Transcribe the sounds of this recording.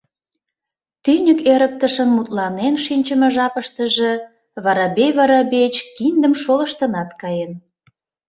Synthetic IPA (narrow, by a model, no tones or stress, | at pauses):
t̪ynʲykeɾə̆k̚t̪əʃənmut̪lɑnenʃinʲt͡ɕə̆mə̆ʒɑpəʃt̪ə̆ʒĕ | βɑɾɑbeβɑɾɑbet͡ɕkind̪əmʃolə̆ʃt̪ə̆nɑt̪kɑjen